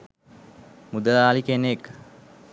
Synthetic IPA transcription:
mud̪əlaːlikenek

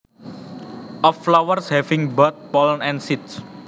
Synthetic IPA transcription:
ʔɔfːlawərshɛvɪ̃ŋbət̪̚pɔlnɛ̃nsit̪̚s

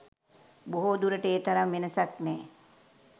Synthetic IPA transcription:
boɦod̪uɾəʈəeːt̪aɾamʋenəsaknɛː

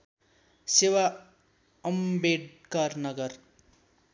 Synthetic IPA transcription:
sewa | ʌmbeɖkarnʌɡʌr

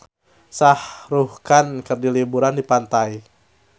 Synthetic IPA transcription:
sahɾuhkankɨrdilibuɾandipant̪ai

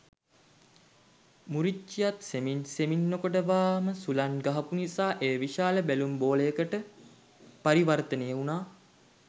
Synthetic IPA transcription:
muɾiijat̪seminseminːokoʈəʋaːməsulanɡaɦɐpunisaːʔeːʋiʃaːləbælumboːləjəkəʈə | paɾiʋart̪ənejəunaː

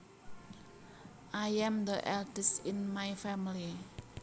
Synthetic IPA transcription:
ʔajɛ̃md̪əʔɛldɛsɪnmajfɛmili

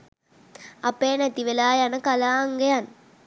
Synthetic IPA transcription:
apeːnɛt̪iʋelaːjanəkalaːŋɡejan

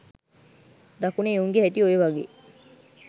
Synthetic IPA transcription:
d̪ɐkuneːuŋɡeɦeʈioeʋaɡḛː

